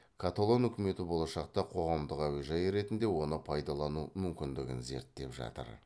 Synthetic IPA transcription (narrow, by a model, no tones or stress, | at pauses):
kʰat̪olˠonʏkʲɪme̞t̪ɪbo̞lˠɑʃɑqt̪ɑqʰo̞ʁɑmd̪əqæweʒɑjɾe̞t̪ɪnd̪e̞wo̞nəpʰɑjd̪ɑlˠɑnumʏmkʲɪnd̪ɪɡʲɪnze̞̰ɾt̪ːe̞̰pʒɑ̰t̪ə̰ɾ